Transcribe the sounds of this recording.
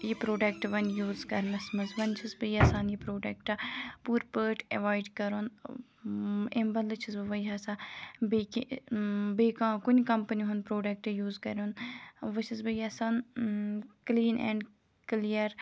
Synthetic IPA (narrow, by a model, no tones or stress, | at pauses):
jipɾoːɖek̚ʈʋɐnjuːzkɐɾnɐsmɐzʋɐnt͡ʃʰizbɐjaːsaːnjipɾoːɖek̚ʈapuːɾpəːʈʰḛʋaːjɖkɐɾon | embɐnlɨt͡ʃʰizbɐʋɐjɦaːsãbeːki | bekãːkunʲikɐmpəniɦunpɾoːɖɐk̚ʈjuːzkɐɾʲoːnʋɐt͡ʃʰizbɐjaːsaːn | kliːnɛ̰ːɳɖ | klijəɾ